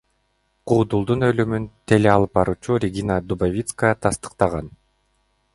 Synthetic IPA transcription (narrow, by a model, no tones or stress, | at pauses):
qʰuːd̪ulˠd̪unø̞lymynt̪ʰe̞leɑlˠɯp̚bɑɾuːt͡ʃuɾʲɪɡʲinəd̪ubavʲit̪skəət̪ʰɑst̪ɯ̥q̚t̪ɑʁɑn